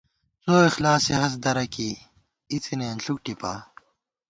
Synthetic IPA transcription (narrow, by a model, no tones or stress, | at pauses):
t͡soːixlaːseɦɐs̬d̪ɐɾɐki | it͡sʰineɐnɬuk̚ʈipa̰ː